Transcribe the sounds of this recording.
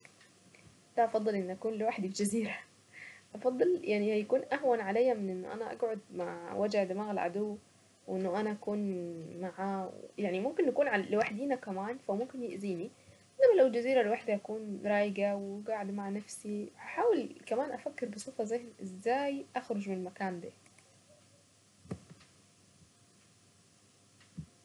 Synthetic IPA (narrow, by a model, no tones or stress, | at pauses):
d̪æʔɑfɑd̪ˤːelʔenːʔækuːnlewaħd̪ifed͡ʒæziːɾæ | ʔɑfɑd̪ˤːɨljaʕnihæjækuːnʔæɦwænʕalejːæmɪnʔenːo̰ʔæ̰næʔæ̰ɡʕod̪̚maʕwæd͡ʒaʕd̪amaːɣɪlʕa̰d̪owː | wʔenːoʔænæʔækuːnmaʕaːwjaʕnimomkenʔækuːnʕalewaħd̪iːnækæmaːnfæmomkenjeʔziːni | nːæmælæwld͡ʒæziːɾælewaħd̪æʔækuːnɾˤɑːjɡæwɡaʕd̪maʕanæfsihaħaːwelkæmæːnʔæfækːeɾbesˤoːfɑzehnʔezːæːjʔaxɾod͡ʒmenelmækaːnd̪æː